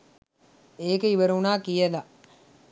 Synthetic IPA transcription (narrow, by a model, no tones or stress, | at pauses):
eːkeiʋəɾunaːkijəla